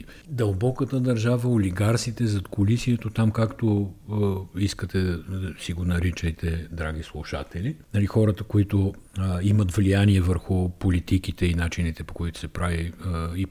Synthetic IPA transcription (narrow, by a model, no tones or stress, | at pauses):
d̪ɐlˠbɔkət̪əd̪ɐɾʒavəoliɡaɾsit̪ɛzɐt̪kʰolisiɛt̪ot̪amkakt̪o | iskət̪ɛsiɡonɐɾit͡ʃəjt̪ʰɛd̪ɾaɡ̟islˠuʃa̰t̪ɛlinɐlixɔɾət̪əkoit̪o | imɐt̪vlijaniɛvəɾxʊpolit̪ikit̪ɛinat͡ʃinit̪ɛpo̥koit̪ʊ̥sɛpɾavii